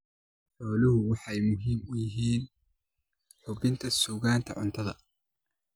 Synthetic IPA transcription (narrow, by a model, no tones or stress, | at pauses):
ħɔːlɪɦʊwɑħɑjmʊɦiːmʊjɪɦiːn | ħʊβɪnt̪ʰɐsuːɣaːnt̪ʰɐ̰ʕʊ̰nt̪ʰɐðɐ̰